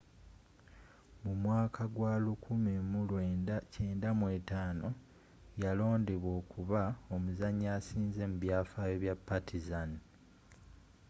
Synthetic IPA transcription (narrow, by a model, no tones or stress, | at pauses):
mumwaːkʰaɡwaːlukʰumemulwece̞ːndamwe̞ːtaːno̞ | jalo̞ːndeβwo̞ːkʰuβao̞muzaɲːaːsiːnze̞muβjaːfajo̞βjapːatʰizani